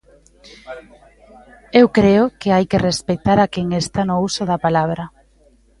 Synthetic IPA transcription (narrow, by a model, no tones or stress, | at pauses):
ewkɾeʊkeajkerespet̪aɾakeŋest̪anousʊðɐpalaβɾɐ